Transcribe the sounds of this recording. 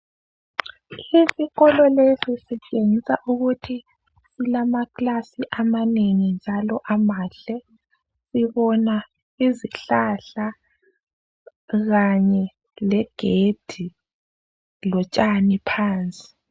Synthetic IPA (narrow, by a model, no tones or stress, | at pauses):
isiɣɔlɔlesisɛt͡ʃʼeŋisaʔuɣutʰi | silamaɣlasiʔamaneŋind͡ʒʱalɔʔamaːɬɛ | siβɔna | iziɬaɬa | ɣaɲɛ | lɛɡ̥ʱed̥ʱi | lɔt͡ʃʼanipʰaːnt͡sʼi̥